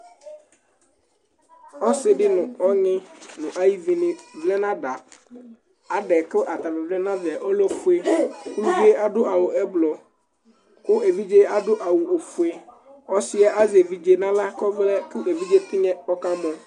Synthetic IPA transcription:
ɔ˦sɪ˦ɖɪ˦nʊ̃˨ɔ˦ɲɪ̃˦nʊ̃˨ʔa˦ji˦vi˨nɪ̃˨vlɛ˦nã˦da˨ | a˨ɖɛ˨kɪ˦ʔa˨t̪a˨vɛ˨vlɛ˦nã˦vɪ˨a˨ʔɔ˦lɔ˦fu˦e˦kʊ˦˨˦d͡ʒe˦a˦dʊ˦ʔa˨wʊ˨ɛ˦blɔ˨ | kʊ˦e˨vi˦d͡ʒe˦a˦dʊ˦ʔa˨wʊ˨o˨fu˨e˨ | ɔ˦sɪ˦a˦ʔa˦ze˨vi˦d͡ʒe˦nã˦la˦kɔ˦vlɛ˦kʊ˦ʔe˨vi˦d͡ʒe˦t̪ɪ˦ɲɛ̃˦ɔ˦kã˦bɔ˨

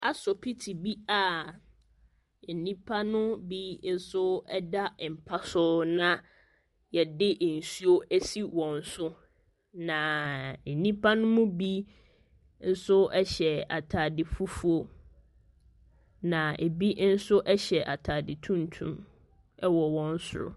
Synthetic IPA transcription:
a˨sɔ˨pʰi˦tʰi˨bi˦a˨ | e˨nĩ˦pʰa˦nʊ̃˦bi˦n̩˦sʊ˦ɛ˦da˦m̩˨pʰa˦sʊ˦nã˨ | jɛ˨dɪ˦ʔn̩˨su˦o˦ɛ˦si˦wɔ̃˨n̩˨˦sʊ˦ | nã˨nĩ˦pʰa˦nʊ̃˦mʊ̃˦bi˦ | n̩˦sʊ˦ɛ˦ɕɛ˨a̰˨tʰaː˨dɪ˨fu˦fu˦o˦ | nã˨e˨bi˦n̩˦sʊ˦ʔɛ˦ɕɛ˨ʔa˨tʰaː˨dɪ˨tʰũ˦n˨tʰṵ̃˦m | ɛ˦wɔ˨wɔ̃˨˦n̩˦sʊ̰˦ɾʊ̰˨

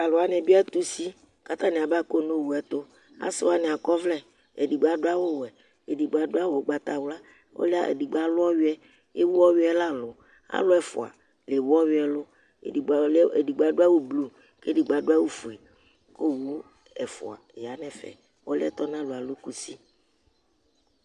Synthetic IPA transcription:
a˨lo˨a˨nɛ̃˨bi˦ɛ˦t̪u˦si˦ | ka˦t̪ã˦nɛ˨a˨ba˦ko˦nõ˦wu˨ɛ˨˦t̪o˦ | a̰˦se˦wa˦nɛ˨a˨kɔ˦vlɛ˦ | e˨di˨ɡ͡ba˨do˦a˦wo˦wɛ˨ | e˨di˨ɡ͡ba˨do˦a˦wo˨˦ɡ͡ba˦t̪a˨wla˦ | wo̰˦le˦a̰˦ʔḛ˨di˨ɡ͡ba˦lʊ˦ɔ˦wi˦ɛ˦ | je˦wu˦wɔ˦wi˦ɛ˦la˦lʊ˨ | a̰˦lʊ˦ɛ˨fo̰˨a̰˨ | le˨wu˦ɔ˦wi˦ɛ˨lʊ̰˦˨ | i˨˦e˨di˨ɡ͡ba˨ɖo˦a˦wo˦blu˦ | ke˦di˨ɡ͡ba˨ɖo˦a˦wu˦fu˨ɛ˨ | ko˦wu˦ | ɛ˨fo̰˨a̰˨ja˨nɛ̃˨fɛ̰˨ | wo̰˦lɪ˦ɛ˦t̪ɔ˦nã˦lo˨a˨lo˦ku˦si˦

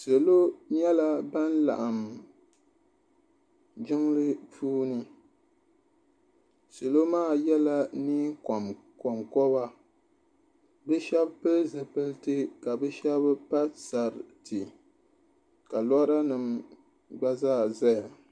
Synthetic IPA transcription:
se˨lo˦ɲɛ˦la˦ba˦n˦la̰˨ʔa˨m | d͡ʒɪ˦ŋ˦lɨ˦puː˦nɨ˦ | so˨lo˦maː˦˨jɛ˦la˦niː˦kɔ˨m | kɔ˨mkɔ˦ba˦ | bɨ˦ʃɛ˦bpɨ˦zɨ˨pɨ˦ltɨ˦ka˨bɛ˦ʃɛ˦bpa˦sa˨ɾtɨ˨ | ka˨lɔ˦ɾa˦nɨ˨m | ɡ͡ba˦zaː˦˨za˦ja˨

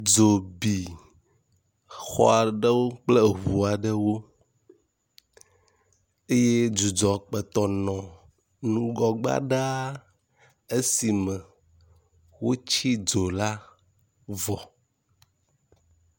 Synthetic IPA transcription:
d͡ʒo˨bi˨ | xɔ̰˦a˨ɖə˦wo˦k͡plɛ˦ɦu˨a˨ɖə˦wo˦ | e˦je˦d͡ʒu˨d͡ʒɔ˨k͡pɛ˨t̪ɔ˨nɔ̃˨ | nũ˦ɡɔ˨ɡ͡ba̰˦ɖa˦ | e˦si˨mɛ˨ | wo˦t͡ɕi˦d͡ʒo˨la˦ | vɔ˨

